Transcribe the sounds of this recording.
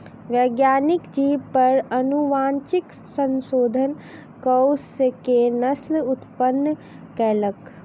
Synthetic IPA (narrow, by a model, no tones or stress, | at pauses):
ʋjəɡjaːnikd͡ʒiːʋpəɾənuʋaːnt͡ʃik | sənsoːd̪ʱən | kəwskenəslʊt̪pənː | kɛːlək